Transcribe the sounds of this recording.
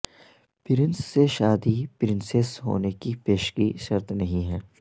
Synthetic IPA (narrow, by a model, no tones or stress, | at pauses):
pɪɾɪnsːeʃaːd̪ipɪɾɪnsesɦo̰ːnekipeːʃkiʃɐɾt̪nɐɦĩɦɛː